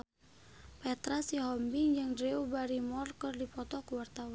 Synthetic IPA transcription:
pɛt̪ɾasiɦɔmbiŋd͡ʒɨŋdɾeubaɾimɔrkɨrdipɔt̪ɔkuwart̪awa

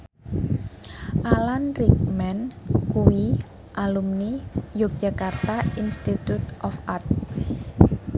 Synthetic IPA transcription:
ʔalanrik̚mɛnkuwi | ʔalumnijok̚d͡ʒ̥akart̪ainst̪it̪ut̪ʔɔfart̪̚

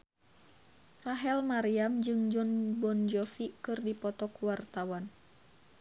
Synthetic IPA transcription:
raɦɛlmaɾiamd͡ʒɨŋd͡ʒɔnbɔnd͡ʒɔfikɨrdipɔt̪ɔkwart̪awan

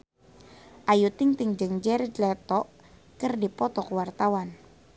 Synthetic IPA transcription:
ʔajut̪ɪŋt̪iŋd͡ʒəŋd͡ʒɛɾɛdlɛt̪ɔʔ | kərdipɔt̪ɔkəwart̪awan

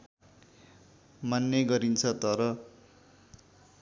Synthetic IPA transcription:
manːeɡʌɾint͡sʰʌt̪ʌɾʌ

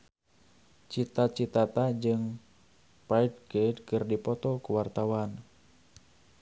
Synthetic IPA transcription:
t͡ʃit̪at͡ʃit̪at̪ad͡ʒɨŋ | paid̚kedkɨrdipɔt̪ɔkuwart̪awan

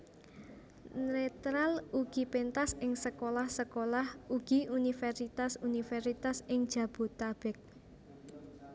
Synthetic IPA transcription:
net̪ɾaluɡ̥i̤pent̪asɪŋsəkolahsəkolahuɡ̥i̤unifɛrsit̪asunifɛrsit̪asɪŋd̥ʒ̥ä̤b̥ṳt̪ab̥ɛk̚

